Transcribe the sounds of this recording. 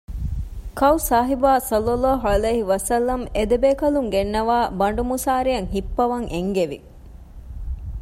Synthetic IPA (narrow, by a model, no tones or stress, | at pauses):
kɐwsaːɦibaːsɐlːɐlːaːɦuɐlɐjɦiʋɐsɐlːɐmed̪ebeːkɐluŋɡenːɐʋaːbɐɳɖumusaːɾijɐŋɦipːɐʋɐŋʔeŋɡeʋḭ